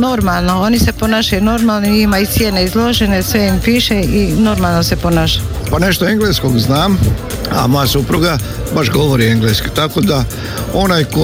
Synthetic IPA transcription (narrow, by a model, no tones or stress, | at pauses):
no̞ɾmalˠnoo̞nise̞ponaːʃajuno̞ɾmalˠnoiimajut̪sjeneizlˠo̞ʒene̞sʋeimpiːʃeino̞ɾmaːlˠnose̞po̞naːʃajuupane̞ʃt̪oeŋɡleskoɡznaːm | a̰mo̞jasupɾuɡa | baʃɡo̞ʋoɾieŋɡleskit̪ako̞d̪a | o̞najko